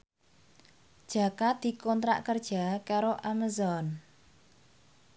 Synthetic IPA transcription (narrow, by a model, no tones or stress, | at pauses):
d̥ʒ̥a̤kad̪̥i̤kɔnt̪ɾa̰ʔkərd̥ʒ̥a̤kaɾoʔamazɔn